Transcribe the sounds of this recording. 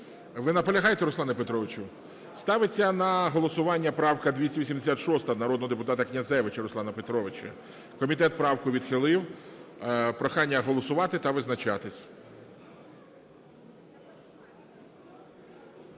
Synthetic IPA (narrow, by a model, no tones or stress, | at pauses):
ʋɪnɐpɔlʲɐɦɑjet̪ɛɾʊslˠɑnɐpet̪ɾɔʋɪt͡ʃʊ | st̪ɑʋɪt͡sʲːɐnɐɦɔlˠɔsʊʋɑnʲːɐpɾɑwkɐd̪ʲʋʲisʲɐʋʲisʲimd̪esʲat̪ʃɔst̪ɐnɐɾɔd̪nɔɦɔd̪epʊt̪ɑt̪ɐknʲɐzɛʋɪt͡ʃɐɾʊslˠɑnɐpet̪ɾɔʋɪt͡ʃɐ̰ | kɔmʲit̪ɛt̪̚pɾɑwkʊʋʲid̪xɪlˠɪw | pɾɔxɑnʲːɐɦɔlˠɔsʊʋɑt̪ɪt̪ɐʋɪznɐt͡ʃɑt̪ɪsʲ